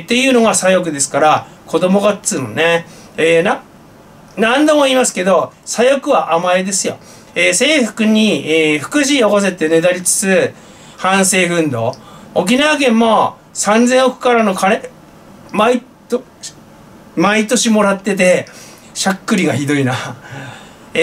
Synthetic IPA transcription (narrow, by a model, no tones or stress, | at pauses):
t̪ːe̞jɯ̟ːno̞ɡasajo̞k̬ɯ̟d̪e̞sɨ̥kaɾa | kʰo̞d̪o̞mo̞ɡat͡sɨmone | eːna | nãnd̪o̞mo̞iːmasɨ̥ke̞d̪o̞sajo̞kɯ̟βaʔamaed̪e̞sɨjo̞̰ | eːse̞ːɸɯ̟̥kɯ̟ɲ̟ieːɸɯ̟̥kɯ̟ɕ̬iokos̬e̞t̪ːe̞ne̞d̪aɾʲit͡sɨ̥t͡sɨ | hãɰ̃se̞ːɸɯ̟̃nd̪o̞̰ːk̬ʲinaβaɡẽ̞mːo̞ | sãnd͡zẽ̞ɰ̃okɯ̟̥kaɾano̞kaɾe | mai | t̪ | mait̪o̞ɕimo̞ɾat̪ːe̞t̪̬e̞ | ɕakːɯ̟ɾʲiɡaçid̪o̞ina